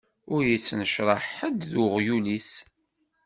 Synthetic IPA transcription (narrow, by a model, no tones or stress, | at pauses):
ʊɾjət͡sːnəʃɾˤɑħəd̪ðʊʁjulis